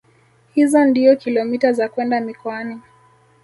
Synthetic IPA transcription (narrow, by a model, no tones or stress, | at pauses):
hizɔndiɔkilɔmitazakwɛndamikɔani